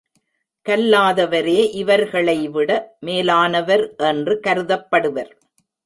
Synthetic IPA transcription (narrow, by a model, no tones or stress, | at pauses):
kɐlːaːðɐʋɐɾeːʔɪʋɐɾɣɐɭɐɪʋɪɽɐmeːlaːnɐʋɐɾʔɛndrɯkɐɾɯðɐpːɐɽɯʋɐɾ